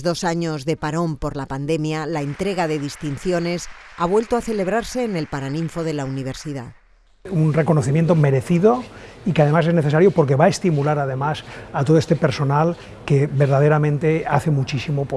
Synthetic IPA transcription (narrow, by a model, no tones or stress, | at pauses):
zðo̞saɲo̞zðe̞paɾo̞mpo̞ɾlapand̪e̞mjalaent̪ɾe̞ɣ̞aðe̞ðist̪inθjo̞ne̞saβ̞we̞lt̪oaθe̞le̞β̞ɾaɾse̞ːne̞lpaɾanĩɱfo̞ðe̞launiβ̞e̞ɾsiða̰ | unreko̞noθimjent̪ome̞ɾeθiðo̞ | ikeaðe̞mase̞zneθesaɾjopoɾk̬e̞βaest̪imulaɾaðe̞masat̪oðoest̪epe̞ɾso̞nal | keβe̞ɾðað̞eɾamẽnt̪e̞aθe̞mut͡ʃisimop